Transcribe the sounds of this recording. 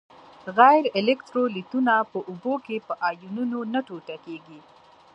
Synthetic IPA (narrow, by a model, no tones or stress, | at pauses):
ɣajɾɪlɪkʈ̪ɾolit̪unapəʔubokepəʔɑjununonaʈoʈakeɡi